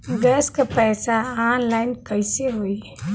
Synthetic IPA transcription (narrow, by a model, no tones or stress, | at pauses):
ɡɛskapɛːsaaːnlaːɪnkɐɪseɦoːi